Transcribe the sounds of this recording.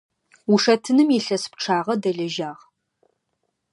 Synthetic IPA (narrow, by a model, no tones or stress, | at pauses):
uʂɐtʰɨnɨmjiɬɐsp̚ʈ͡ʂʰaːʁɐdɐɮɐʒaːʁ